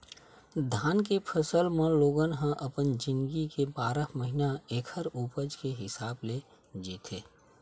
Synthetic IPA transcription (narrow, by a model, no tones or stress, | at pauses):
d̪ʱaːnkepʰəsəlmẽloːɡənɦə̃ʔəpənd͡ʒɪ̃nɡikebaːɾəməɦinaeːkʰəɾuːpəd͡ʒkeɦɪsaːble | d͡ʒiːt̪ʰeː